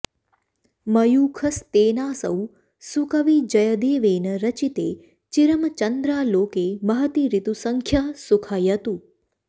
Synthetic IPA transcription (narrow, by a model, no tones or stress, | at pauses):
məjukʰəst̪eːnaːsə̰w | sukəʋid͡ʒəjəd̪eːʋeːnəɾət͡ʃit̪e | t͡ʃiɾəmt͡ʃənd̪ɾaːloːkemɐɦət̪iɾit̪usəŋkʰjasukʰajət̪ũ